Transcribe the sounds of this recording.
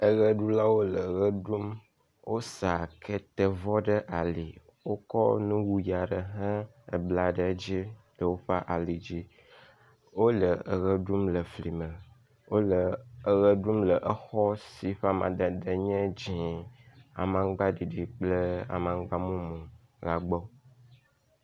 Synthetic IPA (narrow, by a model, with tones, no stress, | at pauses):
ə˦ɣə˦ɖu˦la˦wo˦lə˨ɣə˦ɖu˦m | wʔo˦sa˨kʰe˦t̪ə˨vɔ˦ɖə˦ʔa˨li˨ | wo˦kɔ̰˦nũ˦wu˦ja˨ɖə˨ɦɛ̃˦ | ə̰˨bla˨ɖə˨˦d͡ʑi˦ɖə˨wo˦ɸa˦ʔa˨li˨d͡ʑi˦ | wo˦lə˨ə˨ɣə˦ɖu˦mlə˨fli˨mə˨ | wo˦lə˨ə˨ɣə˦ɖu˦mlə˨ʔə˦xɔ˦si˨ɸa˦mã˨d̪ə˨d̪ə˨ɲɛ̃˦d͡ʑĩ˨ | a̰˨mã˨ɡ͡ba˦ɖi˨ɖi˨k͡plə˦a̰˨mã˨ŋɡ͡ba˦mũ˦mũ˨ | la˨ɡ͡bɔ˦